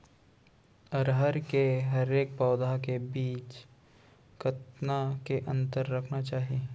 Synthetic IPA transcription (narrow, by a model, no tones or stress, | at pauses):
ɐɾɦəɾkeɦɐɾeːk̚pɔːd̪akebiːt͡ʃ | kɐt̪nakeʔɐ̃nt̪əɾːɐkʰnat͡ʃaːɦieː